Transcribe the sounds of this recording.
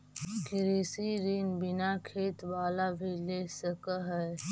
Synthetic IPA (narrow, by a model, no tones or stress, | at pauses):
kɪɾiːsiɾiːnbɪnakʰeːt̪ʋaːlabʱileːsəkəɦɛ